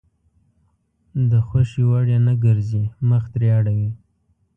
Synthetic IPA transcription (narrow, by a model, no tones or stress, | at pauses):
d̪əxwaʃiwaɽjanaɡəɾziməxt̪ɾjɑɽawi